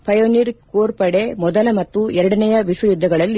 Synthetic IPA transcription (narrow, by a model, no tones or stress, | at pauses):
pʰɐjoːniːɾkoːɾpɐɽe̞mɔd̪ɐlɐmɐt̪ːuɛɾɐɽɐnɐjɐʋiʂwɐjud̪ʱːɐɡɐɭɐlː